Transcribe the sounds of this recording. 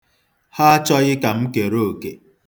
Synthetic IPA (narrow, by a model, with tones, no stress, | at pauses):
ha˦t͡ʃɔ˦ɣɪ˦ka˨m̩˦ke˨ɾo˦o˨ke˨